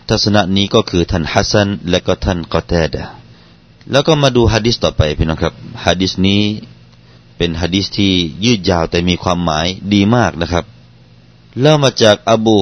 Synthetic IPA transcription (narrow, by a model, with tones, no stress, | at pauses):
t̪ʰa˧t̚sa˧na˧ʔniː˦˥˩kɔː˧˩kʰɯː˧t̪ʰa˧˥˩nha˦˧˥sa˧˨nlɛː˧˥wkɔː˧˩t̪ʰa˧˥˩nkɔ˧t̪ɛː˧˩da˨ | lɛː˧˩wkɔː˧˩maː˧duː˧ɦaː˧diː˦˥st̪ɔː˨˩pa˨jpʰi˧˩nɔ˧˨ŋkʰa˧p̚haː˧diː˦˥sniː˦˥˨ | pe˨˩nhɦaː˧diː˦˧˥st̪ʰiː˧˩jɯː˧˩t̪̚jaː˧˩wt̪ɛː˨˩miː˧kʰwaː˧˥˨mːaː˨˦jdiː˨˧maː˥˩k̚na˧˥kʰa˦˧˥p̚ | lɛː˧˥˨wmaː˧t͡ɕaː˨˩k̚ʔa˧buː˧